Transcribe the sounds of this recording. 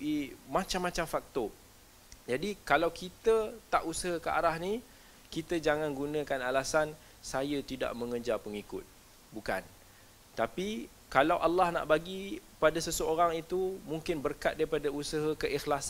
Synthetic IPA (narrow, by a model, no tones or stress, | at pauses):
imãt͡ʃamːat͡ʃamfak̚t̪ɔ | d͡ʒadikalawkit̪ət̪aʔusəɦəkəʔa̰ɾahni | kit̪əd͡ʒaŋãnɡunə̃kanalasan | sajət̪ida̰ʔmə̃ŋəd͡ʒapəŋikʊ̰t̪̚ | buka̰n | t̪api | kalawʔalːahna̰ʔbaɡipadasəsəoɾaŋit̪umũŋkɪnbərkat̪̚daɾipadausəɦəkəʔixlas